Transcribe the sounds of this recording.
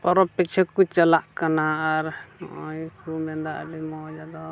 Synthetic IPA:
pɔɾɔpːit͡ʃʰɛkut͡ʃəlaʔkanaːɾnɔ̰ʔɔjkumɛd̪aʔɖimɔd͡ʒad̪ɔ

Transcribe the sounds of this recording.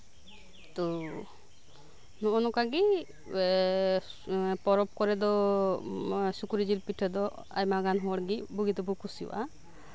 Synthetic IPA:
t̪ɔ | nɔʔɔnɔkaɡi | pɔɾɔp̚kɔɾɛd̪ɔ | sukuɾid͡ʒilpiʈʰɛd̪ɔ | a̰jmaɡanɦɔɔɽɡibuɡid̪ɔbukusiw̰ʔa

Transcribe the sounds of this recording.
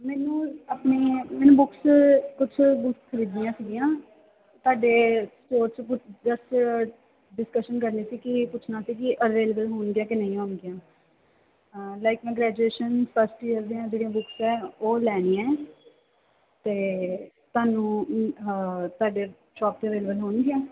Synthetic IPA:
mɛːnũːaːpneːmɛːnũːbʊkskʊt͡ʃʰbʊkʰəɾiːd̪ijãːsiːɡijãː | t̪ʊaːɖeːsʈoːɾt͡ʃpʊd͡ʒəsʈ | ɖɪskəʃənk̬əɾneːsiːkɪpʊːt͡ʃʰnaːsiːkɪʔəɾʋeːlebəlɦʊːɳɡɪjãːkɪnə̃ĩːɦoːɳɡɪjãː | laːɪkmɛ̃ːɡɾɛːd͡ʒueːʃənpʰəsʈiːəɾd̪ijãːd͡ʒeːɽijãːbʊksɛːoːlɛːniːɛ̃ː | t̪eː | t̪ʊaːnũː | t̪aːɖeː | ʃɔːp̚t̪eːəʋeːlebəlɦoːɳɡɪjãː

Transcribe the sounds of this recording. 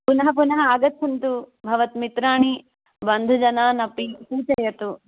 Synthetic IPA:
punɐɦɐp̬unɐɦɐaːɡɐt̪ʰːɐnt̪ubʱɐʋɐt̪mit̪ɾaːɳi | bɐnd̪ʱud͡ʒɐnaːnɐpisuːt͡ʃɐjɐt̪u

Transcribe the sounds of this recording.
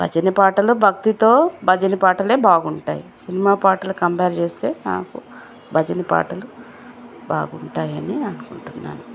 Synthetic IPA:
b̥ʱɐ̰d͡ʒɐnɐpaːʈɐlubʱɐk̚t̪it̪o̞ːbʱɐd͡ʒɐnipaːʈɐle̞ːbaːɡuɳʈa̰ːjisinimaːpaːʈɐlukɐmpeːɾt͡ʃe̞ːst̪e̞ːna̰ːku | bʱɐd͡ʒɐnipa̰ːʈɐlu | ba̰ːɡuɳʈaːjɐniɐnukuɳʈunːa̰ːnu

